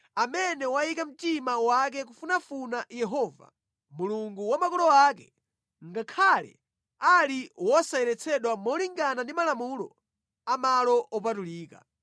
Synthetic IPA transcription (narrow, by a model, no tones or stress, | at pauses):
amɛnɛwaikam̩timawak̬ɛk̬ufunafunajɛɦɔva̰ | muluŋɡuwamakulɔak̬ɛ | ŋɡakʰalɛ̰ | aliwɔsaɛɾɛt͡sʰɛɗwamɔliŋɡanandimalamulɔ̰ | amalɔʔɔp̬atuliːka̰